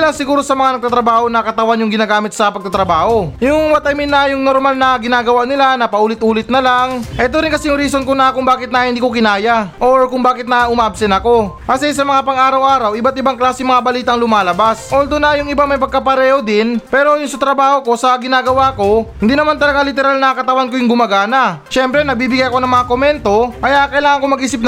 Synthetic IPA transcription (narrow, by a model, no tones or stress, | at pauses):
laŋsɪɡuːɾo̞sɐmɐŋanɐɡ̚t̪at̪ɾɐbaːho̞nɐkɐt̪ɐwanjʊŋɡɪnaːɡaːmɪt̪̚sɐpɐɡ̚t̪ɐt̪ɾɐbaːho̞jʊŋwɐt̪ɐjmɪnɐjʊŋnoɾmalnɐɡɪnaːɡɐwaʔnɪlanɐpɐʔuːlɪt̪̚ʔuːlɪt̪̚nɐlaŋʔɛːt̪oɾɪnkɐsɛjʊŋɾiːsonkonɐkʊŋbaːkɪt̪nɐhɪnd̪iːkokɪnaːjɐʔoɹkʊŋbaːkɪt̪̚nɐʔʊmaːʔɐbsɛnɐko̞kɐsɛsɐmɐŋapɐŋaːɾɐwʔaːɾɐwʔɪbat̪ɪbaŋklaːsɪŋmɐŋabɐliːt̪aʔɐŋlʊmaːlɐbasʔold̪onːɐjʊŋɪbamɐjpɐɡ̚kɐpɐɾɛːho̞d̪ɪnpɛːɾo̞jʊnsɐt̪ɾɐbaːho̞ko̞sɐɡɪnaːɡɐwako̞hɪnd̪iːnɐmant̪ɐlɐɡalɪt̪ɛɾalnɐkɐt̪ɐwankojʊŋɡʊmɐɡanɐʃɛmpɾɛnɐɡ̚biːbɪɡajɐko̞nɐŋmɐŋakomɛnt̪o̞kɐjakɐʔɪlaːŋɐŋkomɐɡʔiːsɪp̚n